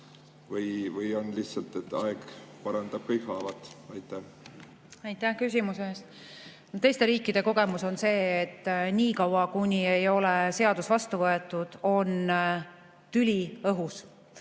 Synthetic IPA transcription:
vɤjvɯjo̞nlihtsɑlt̪et̪ːɑ̰eɡ̥pɑɾɑnd̪ɑb̥̚kɤjkhɑːvɑt̪ɑjt̪ːæ | ɑjt̪ˑːæhkys̬ʲimuseeːst̪ | not̪e̞jst̪e̞ɾiːkːid̪̥e̞ko̞ɡ̥e̞muso̞nse̞ːt̪ːniːkɑwɑkunʲie̞jo̞lese̞ɑd̪̥usvɑst̪uvɤe̞t̪ːˑud̪̥o̞n | t̪ylʲiɤɦus

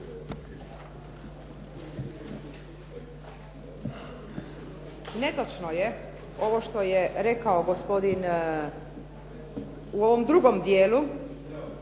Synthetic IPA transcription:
ne̞t̪ot͡ʃnoje | o̞ʋoʃt̪o̞jeɾekaoɡospo̞d̪in | uo̞ʋo̞md̪ɾuɡo̞md̪jeːlu

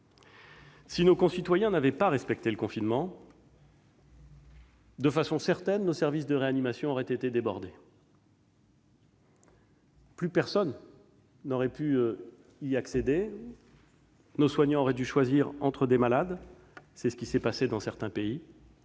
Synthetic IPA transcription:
sinokɔ̃sit̪wajɛ̃navɛpaʁɛspɛk̚t̪eləkɔ̃finmɑ̃ | d̪əfasɔ̃sɛʁt̪ɛnːosɛʁvisd̪əʁeanimasjɔ̃ɔʁɛt̪et̪ed̪ebɔʁd̪e | plypɛʁsɔnː | ɔʁɛpy | iaksed̪e | noswaɲɑ̃ɔʁɛd̪yʃwaziʁɑ̃t̪χəd̪emalad̪ | sɛsə̥kʲisɛpased̪ɑ̃sɛʁt̪ɛ̃pei

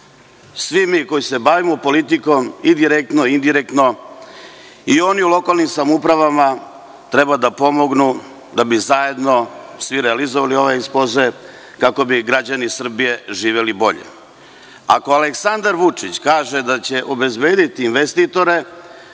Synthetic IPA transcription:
sʋimiːko̞jise̞baʋimopo̞lit̪iko̞mid̪iɾek̚t̪no̞ind̪iɾek̚t̪no̞ | io̞niulˠo̞kalnimsamupɾaʋama | t̪ɾe̞bad̪apo̞mo̞ɡnu | d̪abizaje̞d̪no̞sʋiɾealizoʋalio̞ʋeispoze | kako̞biɡɾad͡ʑanisr̩bije̞ʒiːʋe̞libo̞̰ʎḛ | a̰ko̞aleksand̪aɾʋut͡ʂit͡ɕkaːʒed̪at͡ɕe̞ʔobe̞zbe̞ːd̪it̪iːnʋest̪it̪o̞ɾe̞

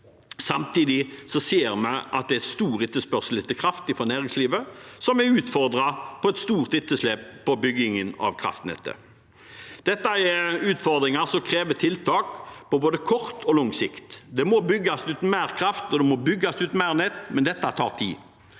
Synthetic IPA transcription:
sɑmt̪iːd̪ɪsɔseːɾmɛɪʔɑ̰t̪̚d̪ɛɛt̪st̪uːʁɪt̪ːəspœʁsəl̩ɪt̪əkʰɾʁɑft̪ɪfɔnæːʁɪŋsliːʋəsɔmɛʉːt̪fɔɾd̪ʁɑpʰɔɛt̪st̪uːʁt̪ɪt̪ːəsleːppʰɔbʏɡɪŋənɑ̰ʋkʰɾɑ̰ft̪nɛ̰t̪ːə̰ | d̪̥ɛt̪ːɑɛʉːt̪fɔɾd̪ɾɪŋɑsɔmkʰɾeːʋət̪ʰɪlt̪ʰɑːkpɔboːd̪əkʰɔɾt̪ʰɔlɔŋsɪkt̪d̪ɛmɔbʏɡːɑsʉːt̪n̩mæːʁkʰɾɑft̪ɔd̪ɛmɔbʏɡːɑsʉːt̪n̩mæːʁnɛt̪ːmɛnd̪ɛt̪ːɑt̪ʰɑ̰ːʁt̪ʰḭː

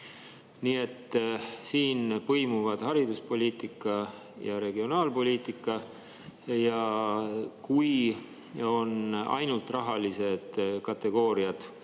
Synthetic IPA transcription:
niːe̞t̪ːsiːnpɤjmuvɑd̪̥hɑɾid̪uspo̞lʲiːt̪ˑikːˑɑ | jɑɾe̞ɡ̥io̞nɑːlpo̞lʲiːt̪ˑikːˑɑ | jɑ | kuj | o̞nɑ̰jnult̪ˑrɑɦɑlise̞d̪̥kɑt̪ːe̞ɡ̥o̞ːɾiɑd̪̥

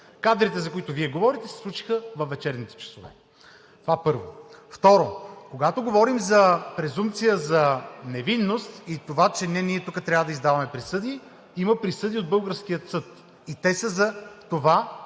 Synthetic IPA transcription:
kad̪ɾit̪ɛzɐkoit̪oviɛɡovɔɾit̪ɛsɛ̥slˠut͡ʃi̥xəvɐfvːɛt͡ʃɛɾnit̪ɛ̥t͡ʃɛ̥sovɛ̰ | t̪ovapɤɾvo̰ft̪ɔɾokoɡat̪oɡovɔɾimzɐpɾɛzumpt̪sijəzɐnɛvinːost̪it̪ovat͡ʃɛnɛniɛt̪ukət̪ɾʲavəd̪ɐizd̪avɐmɛpɾisɤd̪i | iməpɾisɤd̪iod̪̚bɤlˠɡəɾskijət̪sɤt̪ | it̪ɛsəzɐt̪ova

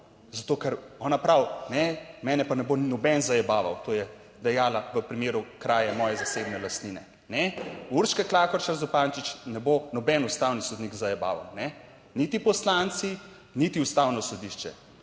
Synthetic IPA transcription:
zat̪oːkɛɾɔːnapɾawnɛmɛːnɛpanɛbonɔbɛnzajɛbaːʋawt̪oːjɛ | d̪ɛjaːlaʋəpɾimeːɾukɾaːjamɔːjɛzasebnɛlast̪niːnɛ | nɛuɾʃkɛklaːkɔɾt͡ʃaɾzɔpaːnt͡ʃit͡ʃnɛbonɔbɛnust̪aːwnisɔd̪nikzajɛba̰ːʋa̰wnɛ | nit̪ipɔslant̪si | nit̪iust̪aːwnɔsɔd̪iʃt͡ʃɛ̰

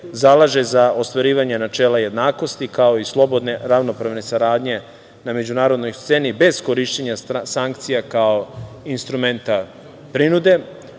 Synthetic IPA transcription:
zalˠaʒe̞zao̞st̪ʋaɾiːʋaɲe̞nat͡ʃe̞ːlaje̞d̪naːko̞st̪ikao̞islˠo̞bo̞d̪ne̞ɾaʋno̞pɾaʋne̞saɾaːd̪ɲe̞ | name̞d͡ʑunaːɾo̞d̪no̞jst̪se̞nibe̞z̥ko̞ɾiʃt͡ɕeɲasaŋk̚t̪sijakao̞ | inst̪ɾume̞nt̪a | pɾinud̪e̞

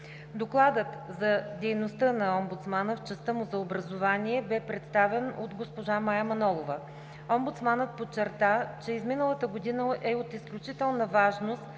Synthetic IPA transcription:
d̪oklˠad̪ət̪zɐd̪ɛjnost̪ɤnɐɔmbut̪smanəft͡ʃəst̪əmʊzɐobɾɐzovaniɛbɛpɾɛt̪st̪avɛno̰d̪ɡospoʒamajəmɐnɔlˠovə | ɔmbʊt̪smanət̪̚pot͡ʃːɛɾt̪at͡ʃɛizminəlˠət̪əɡod̪inəʔɛot̪isklʲut͡ʃit̪ɛlˠnəvaʒnost̪

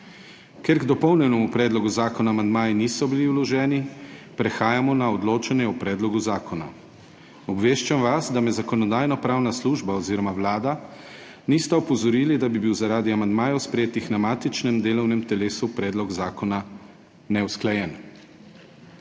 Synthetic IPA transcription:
keɾɡd̪ɔpɔwnɛnɛmupɾɛːd̪lɔɡuzaːkɔnaːmand̪maːjɛnisɔbiliwlɔʒɛːnipɾɛxaːjamɔnaɔd̪loːt͡ʃanjɛɔpɾɛːd̪lɔɡuzaːkʰɔna̰ | ɔbʋeːʃt͡ʃamʋasd̪amɛzakɔnɔd̪aːjnɔpɾaːwnasluːʒbaɔziːɾɔmawlaːd̪a | nist̪ɛɔpɔzɔɾiːlid̪abibiwzaɾaːd̪iamand̪maːjɔspɾɛjeːt̪ixnamaːt̪it͡ʃnɛmd̪eːlɔwnɛmt̪ɛleːsupɾɛːd̪lɔɡzaːkɔna | nɛwsklajɛn

